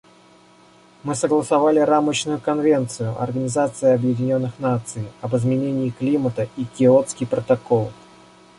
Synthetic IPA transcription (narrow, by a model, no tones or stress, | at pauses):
mɨsəɡlˠəsɐvalʲɪɾamət͡ɕnʊjʊkɐnvʲe̞nt̪sɨjʊʔɐ̰rɡənʲɪzat̪sɨjəɐbjɪdʲɪnʲo̞nːɨxnat̪sɨjɐbɨzmʲɪnʲenʲɪːklʲimət̪əikʲɪot̪skʲijpɾət̪ɐko̞lˠ